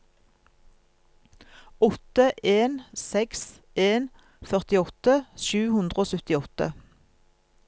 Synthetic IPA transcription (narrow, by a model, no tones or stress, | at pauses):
ɔt̪əʔeːnsɛks | ʔeːn | fœʁt̪ɪɔt̪əʃʉːhʉnd̪ʁəoːsœt̪ɪɔt̪ə̰